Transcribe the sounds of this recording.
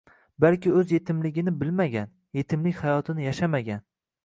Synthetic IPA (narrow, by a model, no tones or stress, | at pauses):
balkʲɪɵzje̞t̪ʰɪmlɪɡʲɪnɪbɪlmaɡʲan | je̞t̪ʰɪmlɪkʲhajɒt̪ʰɪnɪjaʃamaɡʲan